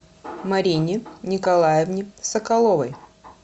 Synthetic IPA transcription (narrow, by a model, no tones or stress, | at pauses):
mɐɾʲinʲɪnʲɪkɐlˠajɪvnʲɪsɐkɐlˠovɐj